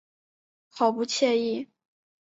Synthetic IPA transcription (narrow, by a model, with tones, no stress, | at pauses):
xʰɑ˨˩ʊpu˥˧t͡ɕʰjɛ˥˧i˥˩